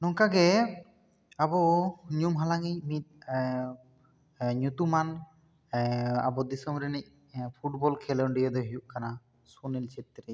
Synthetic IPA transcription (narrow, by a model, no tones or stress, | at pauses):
nɔŋkaɡɛ | abɔɲumɦalaŋic̚mit̪̚ | ɲut̪uman | a̰bɔd̪isɔmɾɛnɛc̚ | pʰuʈbɔlkʰɛlɔɳɖijad̪ɔɦujuʔkana | sunelt͡ʃʰet̪ːɾe